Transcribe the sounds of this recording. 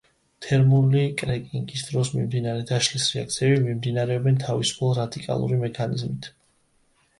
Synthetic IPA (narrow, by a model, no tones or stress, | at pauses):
t̪ʰɛɾmulikʼɾɛkʼiŋɡisd̪ɾɔsmḭmd̪inaɾɛd̪aʃlisɾɛa̰k̚t̪sʰiɛbimimd̪inaɾɛɔbɛnt̪ʰavisu̥pʰɛlˠɾad̪ikʼa̰lˠṵɾimɛkʰanḭzmit̪ʰ